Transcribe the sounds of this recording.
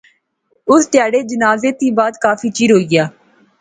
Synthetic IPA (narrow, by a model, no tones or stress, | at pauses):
ʊst̪ɪjaːɽeːd͡ʒənaːzeːt̪iːbaːd̪kaːfʰiːt͡ʃiːɾɦoːiːɡɪjaː